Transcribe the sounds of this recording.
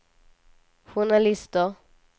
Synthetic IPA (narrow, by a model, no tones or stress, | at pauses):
ɧunalɪst̪ɔ